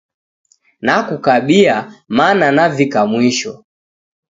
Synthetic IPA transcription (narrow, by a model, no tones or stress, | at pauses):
nakukaɓiamananavikamwiʃɔ